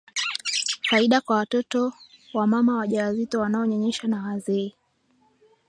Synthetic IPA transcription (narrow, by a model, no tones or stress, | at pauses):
faiɗakwawatɔtɔ | wamamawaʄaazitɔwanaɔɲɔɲɛʃanawazɛː